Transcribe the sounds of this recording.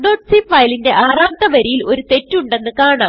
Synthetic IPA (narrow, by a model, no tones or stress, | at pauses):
ɖoːʈsiffɐjlinde̞ʔaːraːnt̪ɐʋɐɾijilo̞ɾut̪e̞tːuɳɖe̞nːɨkaːɳaːmm